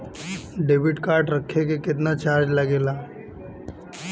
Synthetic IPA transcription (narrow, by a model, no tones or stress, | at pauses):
ɖeːʋɪʈkaːɾʈɾɐkʰːekekɪt̪̬nat͡ʃaːɾd͡ʒlɐɡeːlaː